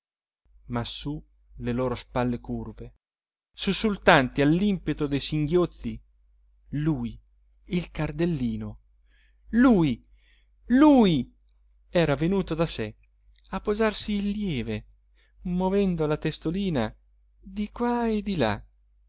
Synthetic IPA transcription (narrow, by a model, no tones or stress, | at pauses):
masu | leloːɾospalːekurve | susːult̪ant̪ialːimpet̪od̪ejsiŋɡjot̪sːi | luːj | ilkard̪elːiːno | luːj | luːj | ɛːɾavenuːt̪od̪ase | apːozarsiːlːjɛːve | movɛnd̪olat̪est̪oliːna | d̪ikwaed̪ila̰